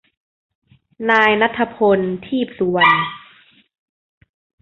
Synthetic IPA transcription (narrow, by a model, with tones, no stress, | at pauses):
naː˧jna˦˥t̪ʰːa˧pʰo˧nt̪ʰiː˥˩p̚su˨n